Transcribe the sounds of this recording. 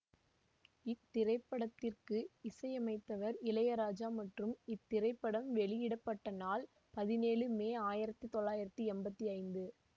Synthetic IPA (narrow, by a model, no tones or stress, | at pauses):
ɪt̪ːɪɾɐɪpːɐɽɐt̪ːɪrkɯɪsɐɪɐmɐɪt̪ːɐʋɐɾɪlɐjɐɾaːd͡ʒaːmɐʈrɯmɪt̪ːɪɾɐɪpːɐɽɐmʋɛɭɪjɪɽɐpːɐʈːɐnaːl | pɐðɪneːlɯmeːaːjɪɾɐt̪ːɯt̪ɔɭːaːjɪɾɐt̪ːɯɛmbɐt̪ːiɐɪnd̪ɯ